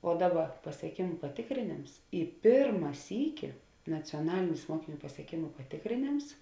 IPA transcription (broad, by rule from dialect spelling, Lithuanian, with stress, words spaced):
oː ˈdɑːˌbɐ pɐsʲiɛˈkʲeːmʊ pɐˈtʲeːkrʲeːnʲeːms ɪ ˈpʲeːrmɐ ˈsʲiːkʲɪ nɐt͡sʲoːˈnɑːlʲɪnʲɪs ˈmuɔkʲɪˌnʲuː pɐsʲiɛˈkʲeːmʊ pɐtʲeːkrʲeːˈnʲeːms